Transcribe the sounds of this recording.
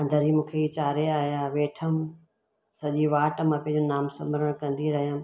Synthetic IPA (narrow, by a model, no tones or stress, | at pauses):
ɐ̃nd̪əɾɦimũːkʰeit͡ɕaːɾeaːɦjaːʋeːʈʰəm | sɐʄiʋaːʈə̆mãpɐ̃ɦɪ̃ɲd͡ʑonaːmsɐ̃məɾəɽ̃kɐ̃nd̪iɾɐɦijəm